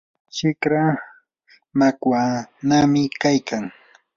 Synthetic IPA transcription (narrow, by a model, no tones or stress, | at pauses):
t͡ʃɪkɾa | makwanamɪkajkʰaŋ